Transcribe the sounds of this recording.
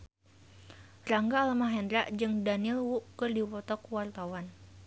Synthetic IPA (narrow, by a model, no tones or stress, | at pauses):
raŋɡaːlmaɦɛnd̪ɾaʔd͡ʒɨŋdanilwuʔkɨrdiwɔt̪ɔkwart̪awan